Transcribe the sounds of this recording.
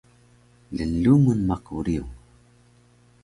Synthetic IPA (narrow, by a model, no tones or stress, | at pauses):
lənːuŋənmaquɾiuŋ